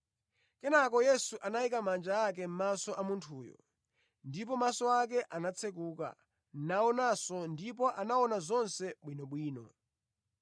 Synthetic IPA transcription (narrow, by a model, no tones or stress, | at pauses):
kɛnakɔjɛsuʔanaikamand͡ʒaakɛm̩masɔʔamuntʰuːjɔ̰ | ndip̬ɔmasɔakɛʔanat͡sʰɛk̬uːka̰ | n̩naɔnasɔndipɔʔanaɔnazɔnsɛɓwinɔɓwiːnɔ̰